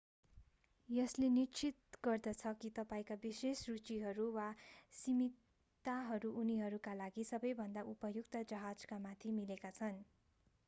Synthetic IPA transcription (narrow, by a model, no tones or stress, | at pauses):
jʌslenit͡sit̪̚ɡʌrd̪ʌt͡sʰʌkit̪ʌpaĩkabisesrut͡siɦʌɾuwasimi | t̪aɦʌɾuʔuniɦʌɾukalaɡisʌbʌjbʱʌnd̪aʔupʌjukt̪ʌd͡zʌɦad͡zkamat̪ʰimilekat͡sʰʌn